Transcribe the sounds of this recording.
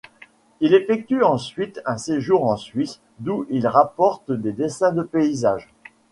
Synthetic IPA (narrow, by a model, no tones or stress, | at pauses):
ilefɛk̚t̪yɑ̃sɥit̪ɛ̃seʒuʁɑ̃sɥis | d̪uʔilʁapɔʁt̪d̪ed̪esɛ̃d̪əpeizaːʒ